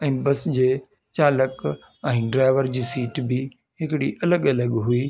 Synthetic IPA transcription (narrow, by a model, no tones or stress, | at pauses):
ɛ̃ːbɐsd͡ʑeː | t͡ɕaːlək | ɛ̃ːɖɾaːɪʋəɾd͡ʑiːsiːʈbɪ | ɦɪkɪɽiʔɐləɠɐləɠɦuiː